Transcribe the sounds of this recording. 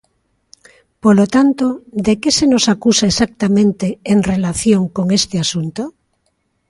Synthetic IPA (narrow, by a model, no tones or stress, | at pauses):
polot̪ant̪od̪ekesenosakusaesak̚t̪amẽnt̪eeŋrelaθjoŋkoŋest̪easunt̪o